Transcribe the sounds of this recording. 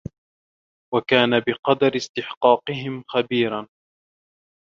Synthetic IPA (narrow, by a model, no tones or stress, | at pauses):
wakaːnabɪqɑd̪ɑɾɪst̪ɪħqɑːqɨɦɪmxabiːɾan